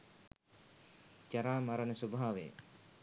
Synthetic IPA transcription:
d͡ʒaɾaːmaɾənəsubʱaaʋḛ

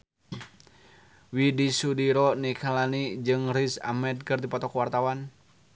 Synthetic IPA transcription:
widisudiɾɔnikʰalanid͡ʒɨŋɾisa̰mɛd̪̚kɨrd̪ipɔt̪ɔkwart̪awan

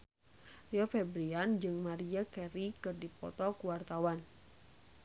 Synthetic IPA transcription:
riɔfɛbɾiand͡ʒɨŋmaɾiakɛɾikɨrdipɔ̰t̪ɔkuwart̪awan

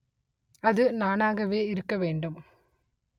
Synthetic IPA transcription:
ɐðɯnaːnaːɣɐʋeːɪɾɯkːɐʋeːɳɖɯm

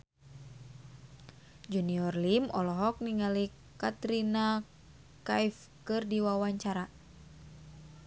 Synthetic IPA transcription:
d͡ʒuniɔrlimɔlɔɦɔk̚niŋali | kat̪ɾina | kajf | kɨrdiwawaɲt͡ʃaɾa

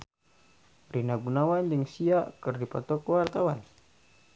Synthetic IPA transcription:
rinaɡunawand͡ʒəŋsiaʔkərdipa̰t̪ɔkwart̪awan

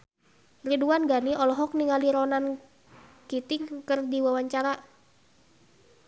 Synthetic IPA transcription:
riduanɡaniʔɔlɔɦɔk̚niŋaliɾɔnan | kit̪iŋkərdiwawaɲt͡ʃaɾa

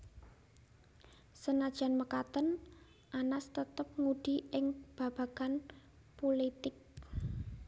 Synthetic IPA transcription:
sənad̥ʒ̥a̤nməkat̪ən | ʔanast̪ət̪əp̚ŋuɖ̥i̤ɪŋb̥a̤b̥a̤ɡ̥an | polit̪ɪk̚

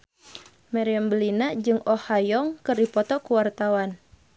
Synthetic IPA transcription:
maɾiambəlinad͡ʒɨŋɔhajɔŋkɨrdipɔt̪ɔkuwart̪awan

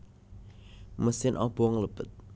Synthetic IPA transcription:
məsiənʔɑ̰boəŋləpɨt̪̚

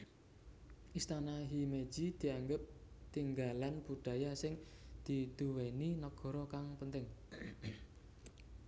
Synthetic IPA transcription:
ʔist̪anaɦime̥ʒ̥i̤d̪̥i̤aŋɡəp̚t̪iŋɡalanb̥uɖ̥a̤jasɪŋd̪̥i̤t̪uweninɔɡ̥ɔ̤ɾɔkaŋpənt̪ɪŋ

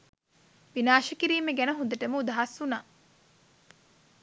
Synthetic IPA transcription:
ʋinaːʃəkiɾiːmeɡænəɦund̪əʈəməud̪ɐɦashunaː

